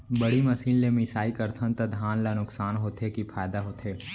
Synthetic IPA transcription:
bɐɽ̤imɐsiːnlemɪsaːikɐɾt̪ʰə̃nt̪ad̪ʱaːnlanʊksaːnɦoːt̪ɦekipʰaːjd̪aɦoːt̪ʰɦeː

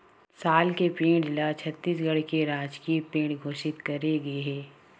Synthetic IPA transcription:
saːlkepẽːɽlat͡ʃʰɐt̪ːiːs̬ɡɐɽkeɾaːd͡ʒkipẽːʈɡʱoːʃɪt̪kɐɾeɡɐeɦɛː

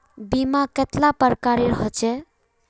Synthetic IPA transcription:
bimaket̪lapəɾkaɾeɾɦɔt͡ʃʰɛ

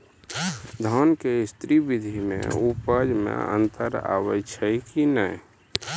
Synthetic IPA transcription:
d̪ʱɔːnkeɪst̪ɾibɪd̪ʱimḛ̃upaːd͡ʒmḛ̃ə̰̃nt̪əɾa̰ːwət͡ʃʰəikinəi

